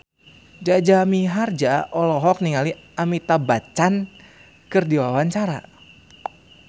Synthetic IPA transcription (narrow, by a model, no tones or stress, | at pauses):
d͡ʒad͡ʒamiɦard͡ʒaʔɔlɔɦɔk̚niŋaliamit̪abat͡ʃan | kɨrdiwawaɲt͡ʃaɾa̰